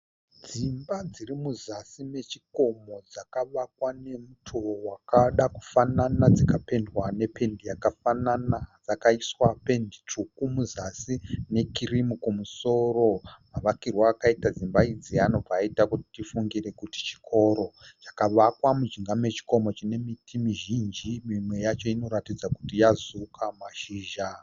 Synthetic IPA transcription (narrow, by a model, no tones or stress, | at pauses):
d͡zimbad͡zirimuzasime̞t͡ʃiko̞mo̞d͡zakaʋakwane̞mutʰowakaɗaku̥fananad͡zakape̞ndwane̞pʰe̞ndijakafananad͡zakaiswape̞ndit͡ʂukumuzasine̞kirimukumuso̞ro̞maʋakirwaːkaitad͡zimbaid͡ziano̞b͡vaːitakuti̥tifuŋɡire̞kuti̥t͡ʃi̥kʰo̞ɾo̞t͡ʃḁkaʋakwamud͡ʒiŋɡame̞t͡ʃi̥ko̞mo̞t͡ʃine̞mitʰimiʒind͡ʒimimwe̞jat͡ʃo̞ino̞ɾatid͡zaku̥tijazukʰamaʃiːʒa